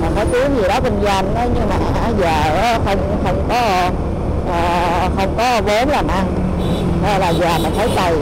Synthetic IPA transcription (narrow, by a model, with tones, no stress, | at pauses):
maː˨˩ə˨˦jk̪i˨˦əŋzi˨˩ɗɔ˨˦ki˧ŋza˧nʔəː˨˦ɲɨ˧ŋmaː˨˩ʔa˨˦zaː˨˩ə˨˦xə˧wŋ͡mxə˧wŋ͡mkɔ˨˦˧ | ʔəː˨˩ | xə˧wŋ͡mkɔ˨˦˧ko˨˦nlaː˨˩mʔa˧ | ʔəː˧˩laː˨˩zaː˨˩ma˨˩nt̪ʰə˨˦jt͡ɕa˧˩j